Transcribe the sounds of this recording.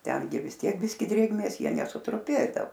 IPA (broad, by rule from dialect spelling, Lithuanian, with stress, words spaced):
ˈtʲɛŋʲɡʲɪ ʋʲɪs ˈtʲiɛk ˈbʲɪsʲkʲɪ ˈdʲrʲeːɡmʲeːs ˈjiɛ nʲɛsʊtrʊˈpʲeːdɐoː